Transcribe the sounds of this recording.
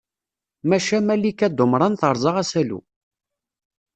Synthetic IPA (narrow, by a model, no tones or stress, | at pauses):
mæʃæmælːikːæd̪ʊmɾˤɑnθəɾˤzˤɑʁæsælṵ